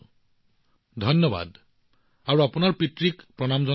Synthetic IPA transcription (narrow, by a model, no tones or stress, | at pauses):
d̪ʱɔnːɔba̰d | aɹuapunaɹpitɹikpɹɔnamzɔ